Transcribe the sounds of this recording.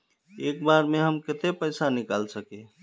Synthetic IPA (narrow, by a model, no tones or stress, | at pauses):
ekbaɾmeɦəmket̪epəjsanikalsəke